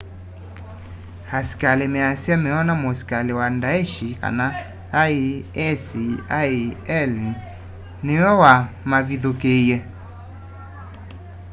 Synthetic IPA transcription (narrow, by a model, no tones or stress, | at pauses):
hasi̥kalemɛasiamɛɔnamosi̥kalewandaeʃika̰naː | iɛsiaiɛli | nɪwɔwa | maviðokejɛ